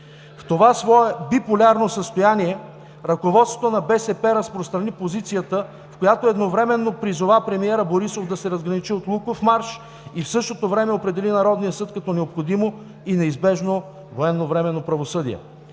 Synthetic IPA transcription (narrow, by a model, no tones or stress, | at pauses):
ft̪ovasvɔɛbipolʲaɾnosəst̪ojaniɛ | ɾɐkovɔt̪st̪ot̪onɐbɛsɛpɛɾəspɾost̪ɾɐnipozit̪sijət̪ə | fkojat̪oɛd̪novɾɛmɛnːopɾizovapɾɛmiɛɾəboɾisovd̪ɐsɛɾɐzɡɾɐnit͡ʃiot̪lˠukofmaɾʃ | ifsɤʃt̪ot̪ovɾɛmɛopɾɛd̪ɛlinɐɾɔd̪nijəsɤt̪kɐt̪ɔnɛopxod̪imo | inɛizbɛʒno | voɛnːovɾɛmɛnopɾɐvosɤd̪ḭɛ̰